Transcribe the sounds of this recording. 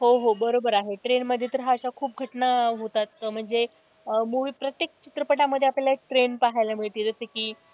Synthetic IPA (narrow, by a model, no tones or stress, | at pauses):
ɦoɦobəɾobəɾaɦeʈɾenməd̪ʱːjet̪əɾɦaəɕakʰuːp̚ɡʱəʈnaɦot̪at̪ːəm̤əɳd͡ze | moʋiːpɾət̪jek̚t͡ɕit̪ɾəpəʈaməd̪ʱːjeaplalaeʈɾenpaɦajlamiɭt̪iːd͡zəsəkiː